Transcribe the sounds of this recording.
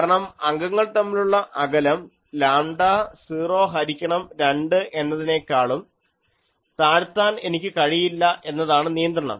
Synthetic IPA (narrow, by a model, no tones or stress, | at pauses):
ɾɐɳɐmɐŋɡɐŋːɐɭt̪ɐmːiluɭːɐʔɐɡɐlɐm | laːɳɖaːsiːro̞ːɦɐɾikʲːɐɳɐmɾeɳɖɨʔe̞nːɐðine̞kːaːɭum | t̪aːɻt̪ːaːne̞nikʲːɨkɐɻijilːɐʔe̞nːɐðaːɳɨnijɐnd̪rɐɳɐ̰m